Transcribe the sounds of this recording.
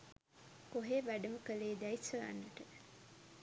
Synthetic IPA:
koɦeʋæɖɐməkəleːd̪æisɐla̰nːɐʈə

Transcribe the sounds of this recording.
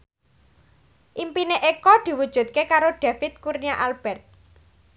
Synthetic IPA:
ʔimpineʔekɔd̪̥i̤wud̥ʒ̥ṳt̪̚kekaɾoɖ̪̥ä̤fɪt̪̚kurnijaʔalb̥ɛrt̪̚

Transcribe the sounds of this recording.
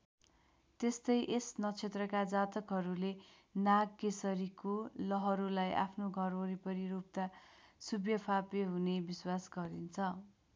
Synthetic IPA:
t̪est̪ʌjʔesnʌt͡sʰet̪rʌkad͡zat̪ʌkɦʌɾule | naɡkesʌɾikolʌɦʌɾulajʔa̰pʰnoɡʱʌroɾipʌɾiɾup̚t̪asubjʌpʰapeɦunebiswasɡʌɾint͡sʰʌ

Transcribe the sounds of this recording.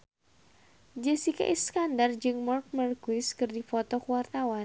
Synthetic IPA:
d͡ʒɛsika̰ʔiskandard͡ʒɨŋmɔrk̚mərkwɪskɨrdifɔt̪ɔkuwart̪awan

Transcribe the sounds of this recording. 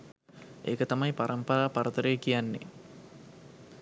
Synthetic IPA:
ḛːkət̪amɐjpaɾɐmpɐɾaːpɐɾɐt̪əɾejkijanːḛ

